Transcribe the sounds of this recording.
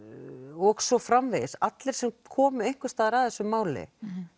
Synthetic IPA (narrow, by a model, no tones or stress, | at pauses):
ɔɣsɔfɾamvesat̪lɪɾ̥sɛmkʰɔːmʏejŋ̥kʏst̪aːðɪɾaðθɛsːʏmaːwlɪ̰